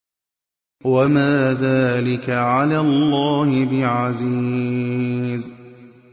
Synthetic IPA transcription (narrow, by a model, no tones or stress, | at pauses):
wamaːðaːlɪkaʕalaːlˤːaːhɪbɪʕaziː | z